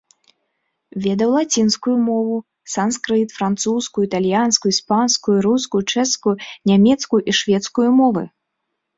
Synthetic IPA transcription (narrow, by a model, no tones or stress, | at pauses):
vʲɛd̪ɐwlˠat͡sʲinskujumɔvu | sanskɾɨt̪fɾant̪suskujuit̪alʲjanskujuispanskujuɾuskujut͡ʂɛskujunʲamʲɛt̪skujuʔiʂvʲɛt̪skujumɔvɨ̰